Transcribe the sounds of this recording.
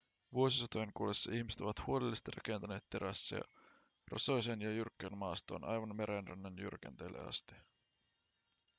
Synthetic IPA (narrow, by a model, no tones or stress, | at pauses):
ʋuosisot̪ojeŋkulesːɑiçmiset̪oʋɑt̪huolelːist̪irɑ̰ke̞nt̪æne̞ːt̪te̞ɾæsːæ̰jɑ̰ | rɑ̰so̞jsenjɑjyrkːenmɑːst̪oːnʔɑ̰jʋɑnmeɾʔenrænːenjṵrk̟ḛnt̪ḛlːḛɑ̰st̪i̥